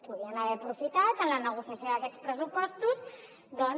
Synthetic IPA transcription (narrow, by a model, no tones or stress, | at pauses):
puðiənəβɛəpɾufit̪at̪ənlənəɣ̞usjəsjoðəkɛt͡spɾəsupɔst̪uz | d̪ɔ